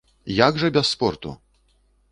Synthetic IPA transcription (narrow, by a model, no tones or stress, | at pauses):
jaɡʐɐbʲɛsːpɔrt̪ṵ